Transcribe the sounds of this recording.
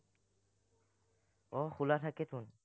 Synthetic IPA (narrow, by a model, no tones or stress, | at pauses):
ɔxʰulat̪ʰaket̪ʰun